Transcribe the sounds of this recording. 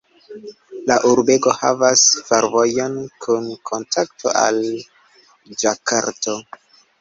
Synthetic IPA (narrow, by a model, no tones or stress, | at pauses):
laʔuɾbe̞ɡo̞ha̰vasfeɾvo̞jo̞nkʰunkʰo̞ntʰaktʰo̰ʔa̰l | d͡ʒaka̰ɾto